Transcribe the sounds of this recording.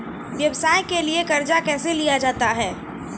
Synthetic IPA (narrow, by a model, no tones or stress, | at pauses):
ʋjɐʋəsaːjkeliekɐɾd͡ʒakɛːselijad͡ʒaːt̪aɦɛː